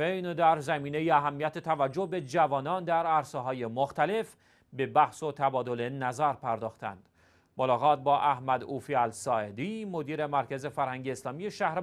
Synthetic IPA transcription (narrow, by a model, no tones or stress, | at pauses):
ejnd̪æɾzæmiːnejiæɦæmːijæt̪ʰet̪ʰævæd͡ʒːohbe̞d͡ʒævɒːnɒːnd̪æɾæɾseɦɒːjemoxt̪æle̞f | be̞bæhsot̪ʰæbɒːd̪o̞le̞næzæɾpʰæɾd̪ɒːxt̪ʰæ̰nd̪̥ | molɒːɣɒːt̪̚bɒːʔæhmæd̪uːfiælsɒːed̪iːmod̪iːɾe̞mæɾkʰæze̞fæɾhæŋɟeːslɒːmijeʃæhɾ